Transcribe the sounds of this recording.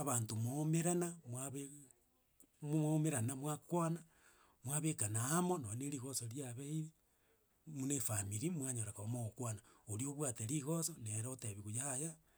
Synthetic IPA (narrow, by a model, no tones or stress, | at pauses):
aβaːntomomeɾanamwaβe | mmomeɾanamwakwana | mwaβekanaːmononeɾiɣosoɾjaβeii | munefamiɾimwaɲoɾakaomoɣokwanaoɾjoβwateɾiɣosoneɾoteβiɣujaːja